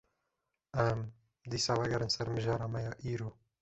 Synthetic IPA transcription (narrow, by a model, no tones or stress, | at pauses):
ɛm | d̪iːsɑːvaɡɛɾɨnsɛɾmɨʒɑːɾɑːmɛjɑːʔiːɾuː